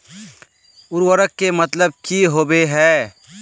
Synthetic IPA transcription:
ʊɾwəɾəkːemɐt̪ləb̚kiɦoːbeɦɛː

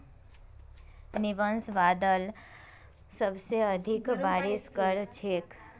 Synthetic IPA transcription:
niʋənsʋaːd̪əl | səbseəd̪ʱikbaːɾiskəɾt͡ʃʰeːk

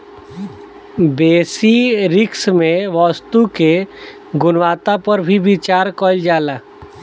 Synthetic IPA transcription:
beːsiɾɪksmẽʋɔst̪uke | ɡʊnʋaːt̪apəɾbʱibɪt͡ʃaːɾkɔld͡ʒaːlaː

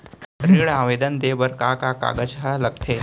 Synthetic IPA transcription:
ɾiːɭãːʋed̪ənd̪eːbəɾkakaka̰ɡət͡ʃɦələɡ̚t̪ʰe

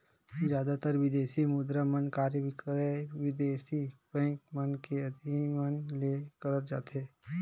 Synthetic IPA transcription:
zjaːd̪at̪əɾʋɪd̪eːsimʊd̪ɾamənkaːɾbʱɪkɾeʋɪd̪eːsibɛ̃ːŋk̚mənkeɐd̪ʱimənlekəɾət̪d͡ʒa̰ːt̪eː

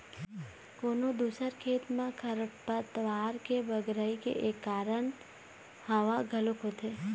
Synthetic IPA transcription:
koːnod̪uːsəɾkʰeːt̪mãkʰəɾəpət̪ʋaɾkeʋəɡɾəikḛʔekːaːɾəɳ | həʋaɡʱəlokʰot̪ʰe

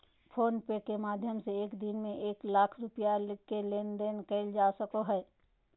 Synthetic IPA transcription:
pʰoːnpekemaːd̪ʱjəmseeːkd̪inmẽʔeːklaːkʰɾʊpijalkeleːnɖ̪enkɛɪld͡ʒasəkoɦɛ

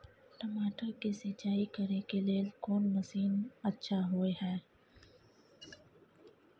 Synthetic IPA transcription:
ʈɐmaːʈəɾkiset͡ʃaːikɐɾekelekoːnməsiːnɐtːʃʰaɦoːeɦɛː

